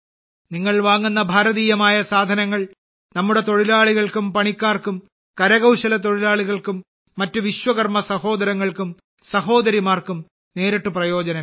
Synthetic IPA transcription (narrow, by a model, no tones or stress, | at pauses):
niŋːɐɭʋaːŋːunːɐbʱaːɾɐðiːjɐmaːjɐsaːd̪ʱɐnɐŋːɐɭ | nɐmːuɽe̞t̪o̞ɻilaːɭiɣɐɭkumpɐɳikʲːaːrkum | kɐɾɐɣɐwɕɐlɐt̪o̞ɻilaːɭiɣɐɭkumː | ɐtːuʋiɕwɐɣɐrmɐsɐho̞ːd̪ɐɾɐŋːɐɭkum | sɐho̞ːd̪ɐɾimaːrkum | ne̞ːɾɐʈːuprɐjo̞ːd͡ʑɐnɐ